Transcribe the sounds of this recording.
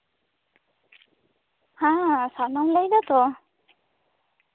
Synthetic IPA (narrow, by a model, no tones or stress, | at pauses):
hãsanamlajd̪at̪ɔ